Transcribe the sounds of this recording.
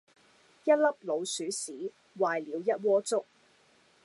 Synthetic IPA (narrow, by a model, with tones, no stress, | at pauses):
jɐ˥t̚lɐ˥p̚lo˨˧wsyː˨˥siː˨˥ | waː˨jliː˨˧wjɐ˥t̚wɔː˥t͡sʊ˥k̚